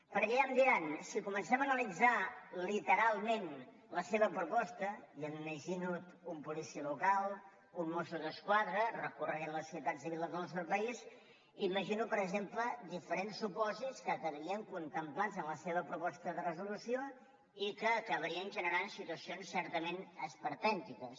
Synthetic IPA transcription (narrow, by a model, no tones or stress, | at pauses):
pəɾkɛəmd̪iɾansikumənsɛmənəlid͡zalit̪əɾalˠmen | ləseβəpɾupɔst̪əjəmməʒinut̪umpulisiəlukalˠ | unmːɔsuðəskwaðɾərəkurəɣɛnləsːit̪atsiβilˠəzoəlˠsɛɾpəiz | iməʒinupəɾəɡzempləd̪ifəɾensːupɔziskəkəβɾiəŋkunt̪əmplazənləseβəpɾupɔst̪əðərəzulusio | ikəːkəβəɾiənʒənəɾansit̪uəsionsːɛɾt̪əmenəspəɾt̪ɛnt̪ikəs